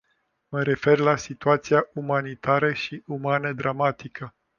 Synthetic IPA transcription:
məɾe̞fe̞rlasit̪uat̪siaʔumanit̪aɾəʃiumanəd̪ɾamat̪ikʰə

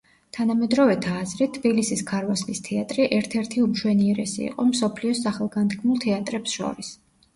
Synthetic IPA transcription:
t̪ʰanamɛd̪ɾɔvɛt̪ʰaːzɾɛt̪ʰːbilisiskʰaɾvaslist̪ʰɛat̪ʼɾiʔɛɾt̪ʰɛɾt̪ʰiumʃwɛniɛɾɛsḭːqʼɔmsɔpʰliɔsaχɛlˠɡand̪ɡʰmulˠt̪ʰɛat̪ʼɾɛpsʃɔ̰ɾis

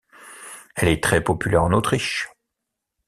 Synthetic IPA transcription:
ɛlɛt̪χɛpɔpylɛʁɑ̃not̪χiʃ

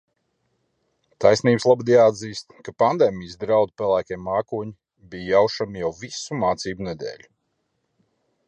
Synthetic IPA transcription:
t̪ajsniːbslˠabd̪ijaːd̪ziːst̪kapand̪eːmʲijsd̪ɾawd̪upɛlˠæːkʲiɛmːaːkuɔɲi | bijjawʃamijawvisumaːt̪siːbunɛd̪ḛːlʲu

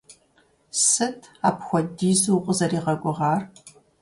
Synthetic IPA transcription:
sɨtʰaːpxʷɔdiːzuːqʷʼəzɐriːʁɐɡʷʼʊʁɑːr

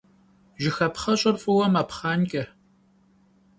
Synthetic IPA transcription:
ʒɪxɐpχɐɕʼɐrfʼɨwɐmɐpχaːnkʲʼɐ

